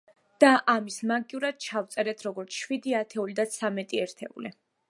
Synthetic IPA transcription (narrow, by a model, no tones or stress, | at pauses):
d̪̥aʔamismaɡiuɾad̪̥̚t͡ʃʰaft̪sʼɛɾɛt̪ʰɾɔɡɔɾt̪sʰʃwid̪iat̪ʰɛulid̪at̪sʰamɛt̪ʼiɛɾt̪ʰɛ̰ṵli